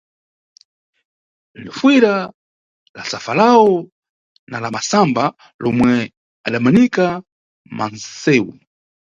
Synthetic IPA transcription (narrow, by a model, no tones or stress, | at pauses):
lifwiɾa | lasafalaɔ | nalamasamba | lɔmwɛ | aɗamanika | ma̰nsɛːwṵ